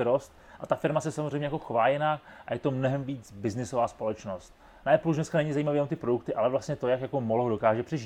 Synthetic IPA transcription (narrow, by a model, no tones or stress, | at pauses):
ɾost̪ | ʔat̪afɪɾmasɛsamozr̝ɛjmɲɛjakoxvaːlɪnaːkʔa̰jɛt̪o̞mnoɦɛmviːt͡sbɪznɪsovaːspo̞lɛt͡ʃnost̪̚ | naɛpluʃnɛskanɛɲɪzajiːmaviːont̪ɪpɾoduk̚t̪ɪʔalɛvlast̪ɲɛt̪ojakjakomoloɦodo̞kaːʒɛpr̥ɛʒi